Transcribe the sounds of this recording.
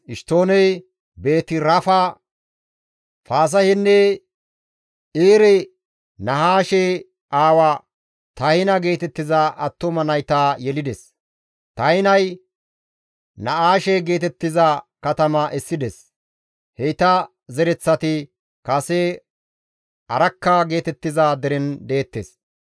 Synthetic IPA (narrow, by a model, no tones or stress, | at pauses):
ʔɪʃt̪o̞ːnɛj | be̞ːt̪ɪɾɐfɐ | faːs̬ɐhɪnːɛ | iːɾɛ | nɐɦaːʃe | ʔaːwɐ | t̪ɐhɪnɐɡe̞ːt̪ɛt̪ːɪzɐʔɐt̪ːɔmɐnɐjt̪aːjɛlɪd̪ɛs | t̪ɐjɪnɐj | nɐaːʃeɡe̞ːt̪ɛt̪ːɪzɐkɐt̪ɐmɐʔɛsːɪd̪ɛs | hɛjt̪ɐ | zɛɾɛt͡sːɐt̪ɪ | kɐse | ɐɾɐkːɐɡe̞ːt̪ɛt̪ːɪzad̪ɛɾɛnd̪eːt̪ːes